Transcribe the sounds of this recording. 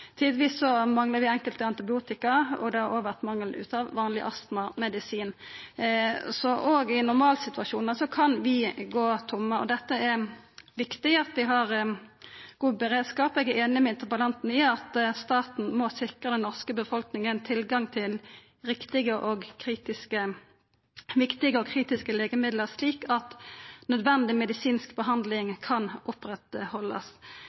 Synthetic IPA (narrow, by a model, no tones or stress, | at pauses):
t̪ʰiːd̪əʋiːsːɔmɑŋləʋɪɛŋkəlt̪əɑnt̪ɪbɪuːt̪ɪkɑɔ̰ɡd̪ɛhɑɾoːɡʋæʁt̪mɑŋːəlʉ̰ːt̪ɑʋʋɑːnlɪʔɑst̪mɑmɛd̪ɪsiːn | sɔʔoːɡɪnʊʁmɑːlsɪt̪ʉɑʃuːnɑsɔkʰɑnʋɪɡoːt̪ʰʊmːəɔ̰d̪ɛt̪ːəɛɾʋɪkt̪ɪɑt̪ʋɪɦɑʁ | ɡ̥uːbəɾeːd̪skɑːpɛɡɛeːnɪmɛɪnt̪əbəlɑnt̪n̩ɪɑt̪st̪ɑːt̪n̩mɔsɪkʁəd̪ɛnnɔʁskəbəfɔlknɪŋənt̪ʰɪlɡɑŋt̪ʰɪl | ɾɪkt̪ɪɡəʔɔɡkʰʁiːt̪ɪskə | ʋɪkt̪ɪɡəɔkʰʁiːt̪ɪskəleːɡəmɪd̪ləʁsliːkɑt̪nœd̪ʋɛnd̪ɪmɛd̪ɪsiːnskbəɦɑnd̪lɪŋkʰɑnʔʊpʁɛt̪hɔlːə̰s